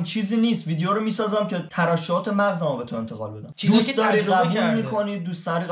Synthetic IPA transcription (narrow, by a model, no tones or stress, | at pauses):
mt͡ʃʰiːziːniːst̪viːd̪ejoɾomiːsɒːzæmcʰe̞t̪ʰæɾæʃːɒːt̪ʰemæɣzæmɒbet̪ʰoe̞nt̪ʰe̞ɣɒ̰ːlbe̞d̪æmd̪uːsd̪ɒːɾid̪æbɦinmiːkʰoniːd̪̚ːuːsst̪æɾi